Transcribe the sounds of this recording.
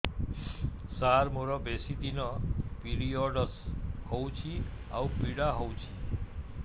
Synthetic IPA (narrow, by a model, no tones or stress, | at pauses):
saɾmoɾɔbesit̪inɔpiɾiɔɖəshɔwt͡ʃʰia̰ũpiɽaɦɔwt͡ʃʰi